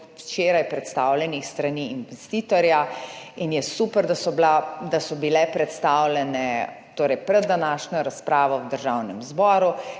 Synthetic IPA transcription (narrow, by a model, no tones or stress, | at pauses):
wt͡ʃeːɾajpɾɛt̪st̪aːwlʲjɛnixst̪ɾaniinʋɛst̪iːt̪ɔɾjainjɛsupəɾd̪asɔblad̪asɔbilɛpɾɛt̪st̪aːwlɛnɛ | t̪oːɾɛjpɾɛd̪ːanaːʃnɔɾaspɾaːʋɔwd̪əɾʒawnɛmzbɔːɾu